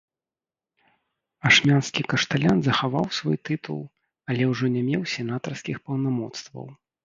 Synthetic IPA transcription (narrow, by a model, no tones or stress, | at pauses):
aʂmʲanskʲikɐʂt̪alʲanzɐxavawsvɔjt̪ɨt̪ṵlˠ | ɐlʲɛwʐɔnʲɛmʲɛwsʲɛnat̪ɐrskʲixpɐwnamɔt̪st̪vɐ̰w